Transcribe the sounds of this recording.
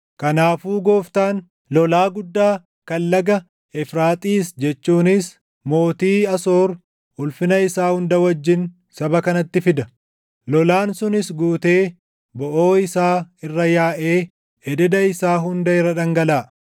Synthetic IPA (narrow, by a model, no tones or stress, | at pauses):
kɐnaːfuːɡo̞ːft̪aːn | lɔlaːɡʊd̪ːaː | kɐlːɐɡɐ | ɛfɾaːt̪ʼiːsd͡ʒɛt͡ʃːuːnɪs | mo̞ːt̪iːɐso̞ːɾ | ʊlfɪnɐɪsaːhʊnd̪ɐwɐd͡ʒːɪn | sɐbɐkɐnɐt̪ːɪfɪd̪ɐ | lɔlaːnsʊnɪsɡuːt̪e̞ː | bɔʔoːɪsaːɪrːɐjaːʔeː | ɛd̪ɛd̪ɐɪsaːɦʊnd̪ɐɪrːɐᶑɐŋɡɐlaː